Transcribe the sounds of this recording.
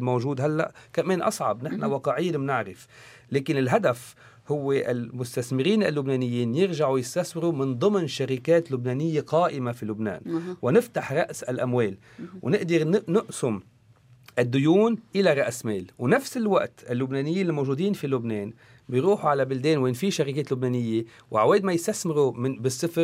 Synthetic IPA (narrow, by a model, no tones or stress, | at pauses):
mowʒuːd̪ɦalːa̰ʔkameːnʔɑ̰sˤʕɑ̰bnɪħnawɑqɑʕɪjːmnɪʕɾɪf | leːkɪnɪlɦad̪af | hʊwːeʔɪ̰lmʊst̪asmɪɾiːnɪ̰lːʊbneːnɪjːiːnjɪɾʒaʕujɪst̪aswɪɾumɪnd̪ˤɨmnʃaɾɪkeːt̪lʊbneːnɪjːeqɑːʔɪmafilʊbnḛːnwnɪft̪aħɾˤɑʔsalʔamweːl | wnɪʔd̪ɪɾnnʊʔsʊm | ʔɪd̪ːʊjuːnʔɪlaɾˤɑʔsmeːlwnafsɪlwaʔt̪ɪlːʊbneːnɪjːiːnlmowʒuːd̪iːnfilʊbneːn | bɪjɾuːħuʕalabɪld̪eːnweʔnfiʃaɾikeːt̪lʊbneːnɪjːe | wʕaweːʔd̪majɪst̪asmɪɾumɪbɪsˤːɪfɾ